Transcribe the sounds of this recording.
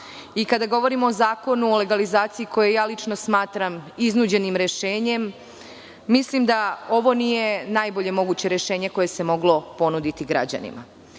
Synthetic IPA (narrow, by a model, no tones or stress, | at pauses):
ikad̪aɡo̞ʋo̞ɾimoːzaːko̞nuole̞ɡalizaːt̪siikʰo̞jejaːlit͡ʃno̞smaːt̪ɾamiznuːd͡ʑe̞nimɾe̞ʃe̞ːɲe̞mː | islimd̪ao̞ʋo̞nije̞naːjboʎe̞mo̞ɡuːt͡ɕe̞ɾjeʃeːɲe̞ko̞je̞se̞mo̞ɡlo̞po̞nud̪it̪iɡɾa̰d͡ʑa̰nḭma̰